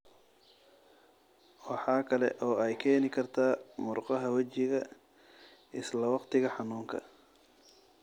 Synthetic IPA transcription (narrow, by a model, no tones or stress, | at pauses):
wɑħɑːkʰɐlɛ̰ʔɔːɛjkʰɛːnɪkʰɐrt̪ʰaːmʊrqɑɦɐwɐt͡ʃɪɣɐ | ɪslɐwɑqt̪ʰɪɣɐħɑnuːŋkʰɐ̰